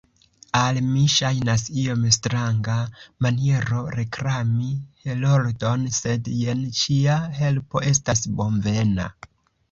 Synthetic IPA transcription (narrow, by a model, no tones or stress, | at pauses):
almiʃajnasio̞mstɾaŋɡamanie̞ɾo̞ɾe̞kɾamihelo̞ɾdo̞nse̞dje̞nt͡ʃiahe̞lpo̞ʔe̞stasbo̞ɱve̞na̰